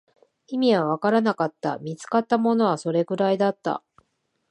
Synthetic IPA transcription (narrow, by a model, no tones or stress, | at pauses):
imʲiβaβ̞akaɾanakat̪ːa̰mʲit͡sɨ̥kat̪ːamo̞no̞βaso̞ɾe̞ɡɯ̟ɾaid̪at̪ːa̰